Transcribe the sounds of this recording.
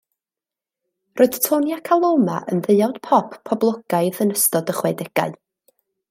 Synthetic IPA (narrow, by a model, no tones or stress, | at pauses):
roːɨd̥tʰoːnjakʰalˠowma̰ʔə̰nðɨjawd̥pʰɔpːʰɔblˠɔɡ̥aɨðənəstɔdəχwɛdɛɡ̥a̰ɨ